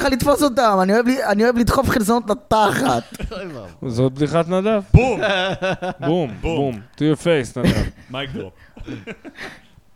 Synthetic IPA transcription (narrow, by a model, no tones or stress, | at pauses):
alit̪fosot̪amanioevlianioevliid̪χofχilzonot̪lat̪aχat̪ | zot̪̚bd̪iχat̪nad̪avb | bumbbumtujofejsnad̪a̰mako